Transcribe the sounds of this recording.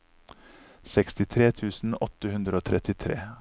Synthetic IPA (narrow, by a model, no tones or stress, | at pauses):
sɛkst̪ɪt̪ʰɾeːt̪ʰʉːsn̩ɔt̪əhʉnd̪ɾəoːt̪ʰɾɛt̪ɪt̪ʰɾḛː